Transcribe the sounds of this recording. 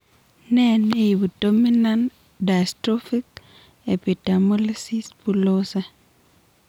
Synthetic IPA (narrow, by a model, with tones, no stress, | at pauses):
nɛ˦ne˦i˨bu˨do˦mi˦nan | da˨stɾo˦fi˦k | e˨pi˨ta˨mo˦li˦si˦spulo˦sa˦